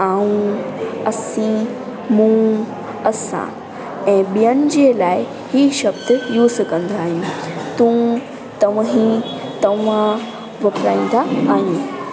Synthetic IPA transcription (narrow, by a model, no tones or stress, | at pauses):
aːũɐsĩ | mũ | ɐsã̰ | ɛ̃ːɓijənɪ̆d͡ʑeːlaːɪ | hiːʃɐbd̪juːzkɐ̃nd̪ʱaːɦijũt̪ũ | t̪ɐʋɦĩt̪ɐʋã | ʋɐpɾa̰ːĩːn̆d̪aaːɦiẽ